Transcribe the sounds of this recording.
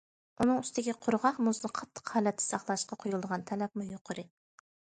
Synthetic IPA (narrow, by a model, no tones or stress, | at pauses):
unɨŋyst̪ɪɡʲiqʰʊɾʁɑχmʊznɨqʰɑt̪ʰːə̥qhɑːlɛt̪ʰːɪ̥sɑχlˠɑʃqɑqʰojulˠd̪əʁɑnt̪ʰɛlɛp̚mujoqʰʊɾɨ